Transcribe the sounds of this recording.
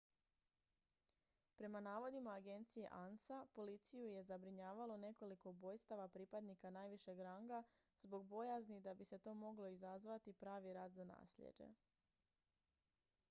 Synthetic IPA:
pɾe̞manaːʋo̞d̪imaːɡe̞nt̪sije̞̰ʔansapo̞lit̪sijuje̞zabɾiɲaːʋalo̞ne̞ko̞liko̞ubo̞ːjst̪aʋapɾiːpad̪nikanaːjʋiʃe̞ɡɾaŋɡazbo̞ɡ̚bo̞jaznid̪abise̞t̪o̞ːmo̞ɡlo̞izazʋat̪ipɾaːʋiɾaːd̪zana̰ːsʎḛd͡ʒe̞̰

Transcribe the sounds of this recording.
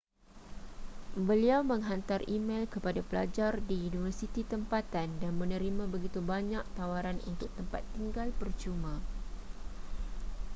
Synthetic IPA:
bəliawmə̃ŋɦant̪arimẽlkəpadapəla̰d͡ʒardiːnivərsit̪it̪əmpat̪andanmə̃nə̃ɾimãbəɡit̪ubaɲak̚t̪awaɾanṵnt̪ʊk̚t̪əmpat̪ːiŋɡalpərt͡ʃumã

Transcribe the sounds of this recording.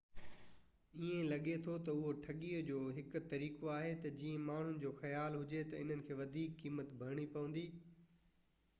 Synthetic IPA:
iẽlɐɠet̪ʰot̪ɐʊɦoʈʰɐɠiːəd͡ʑoːɦɪkt̪ɐɾiːkoaːɦet̪ɐd͡ʑiːẽmaːɳ̤ʊnɪ̆d͡ʑoːxɐjaːlɦʊd͡ʑet̪ɐɪn̤ənɪ̆kʰeːʋɐd̪ʱiːkːiːmət̪bʱɐɾɽ̃ipɐʋə̃n̆d̪iː

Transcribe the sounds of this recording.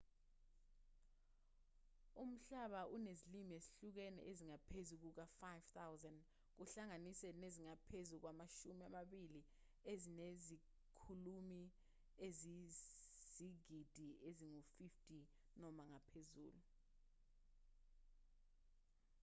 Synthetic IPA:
um̩ɬaɓaʔunezilimieziɬuk̬ɛnɛ̰ʔeziŋapʰezuk̬uk̬afajv̥t̪awzand | k̬uɬaŋanisɛneziŋapʰezuk̬wamaʃumiamaɓili | ezinezi | kʰulumi | ezi | z̥iɡ̥ʱid̥ʱieziŋufiftʰʼi | nɔmaŋapʰezṵːlu

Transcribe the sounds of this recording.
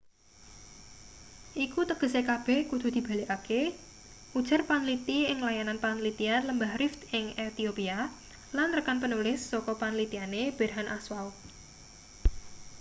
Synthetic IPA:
ʔikut̪əɡ̥ə̤sekab̥ɛhkud̪̥ṳd̪̥i̤b̥a̤lekake | ʔud̥ʒ̥a̤rpanlit̪iɪŋlajananpanlit̪ianləmbahrɪft̪ɪŋet̪iopia | lanrəkanpənulɪsːɔkɔpanlit̪ianeb̥ɛ̤rɦanʔaswaʊ

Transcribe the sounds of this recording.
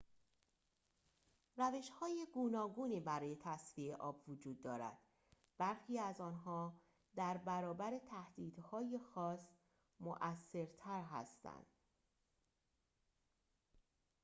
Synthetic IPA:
ræve̞ʃhɒːjeɡuːnɒːɡuːniːbæɾɒːje̞t̪ʰæsvieʔɒːbvod͡ʒuːd̪ːɒːɾæ̰d̪̥ | b̥æɾxiːæzɒːnɦɒː | d̪æɾbæɾɒːbæɾe̞t̪ʰæhd̪̥iːd̪̥hɒːjexɒːs | moʔæsːe̞ɾt̪ʰæɾɦæ̰st̪æ̰nd̪̥

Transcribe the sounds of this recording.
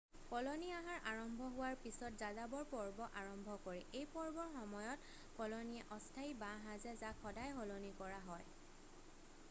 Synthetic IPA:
kɔloniaɦaɹʔaɹɔmbʱɔɦʊwaɹpisɔtzazabɔɹpɔɹbɔʔaɹɔmbʱɔkoɹɛʔejpɔɹbɔɹxɔmɔjɔt | kɔloniɛʔɔstʰaibãɦazɛzakʰɔdajɦɔlonikɔɹaɦɔj

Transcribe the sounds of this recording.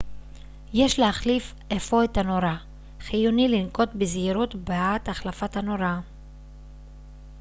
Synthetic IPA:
je̞ʃleaχlif | ʔefo̞et̪hano̞ɾa | χijunilinko̞t̪beziɾut̪beaat̪aχlafathano̞ɾa

